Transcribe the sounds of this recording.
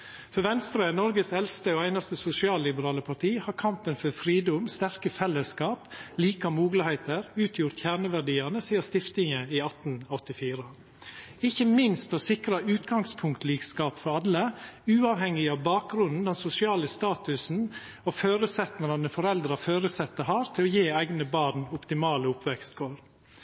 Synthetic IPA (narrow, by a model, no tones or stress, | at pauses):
fɔɾʋɛnst̪ɾənɔɾɡəsɛlst̪əoːæɪnɑst̪əsʊsɪɑːlːɪbəɾɑːləpʰɑʈʰiːhɑːɾkʰɑmpənfɔɾfɾiːd̪ʊmst̪æɾkəfɛlːəskɑːpliːkɑmuːɡlɪhɛɪt̪əɾʉːt̪ʰjʊɾt̪çæːɳəʋæɖiːɑnəsiːɑst̪ɪft̪ɪŋəiɑt̪n̩ɔt̪ːɪfiːɾə | ɪçəmɪnst̪ɔsɪkɾɑʉːt̪ɡɑŋspʰʊŋkt̪liːkskɑːpfɔɾɑd̪əʉːɑːʋhɛŋːɪɑʋbɑːk̚ɡɾʉnn̩d̪ɛnsʊsɪɑːləst̪ɑːt̪ʉsn̩ | ɔføːɾʉsɛt̪nəɾɑnəfɔɾɛld̪ɾɑføːɾəsɛt̪ːəɦɑːɾt̪ʰɪlɔjeːæɪɡnəbɑːɾnɔpt̪ɪmɑːləʊpʋɛkst̪ɡoːɾ